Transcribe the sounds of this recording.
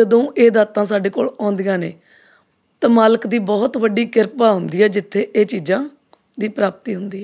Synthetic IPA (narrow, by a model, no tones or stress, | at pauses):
d͡ʒəd̪õːʔeːd̪aːt̪ãːsaːɖeːko̰ːlãːnd̪ijãːneː | t̪ãːmaːləkd̪iːbɔːt̪ʋəɖiːkɪɾpaːɦʊnd̪iːɛːd͡ʒɪt̪ʰːeːʔeːt͡ʃiːd͡ʒãː | d̪iːpɾaːp̚t̪iːɦʊnd̪iːɛ